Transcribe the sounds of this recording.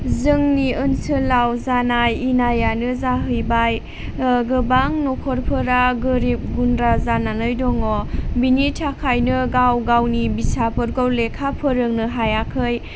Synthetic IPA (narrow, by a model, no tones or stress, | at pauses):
zɯŋniɯnsɯlawzanajinajanɯzaɦɯjbaj | ɡɯbaŋnokʰɔɾpʰɯɾaɡɯɾip̚ɡunɾazananɯjdɔŋɔbinitʰakʰajnɯɡawɡawnibisapʰɯɾɡɔwlekʰapʰɯɾɯŋnɯɦajakʰɯj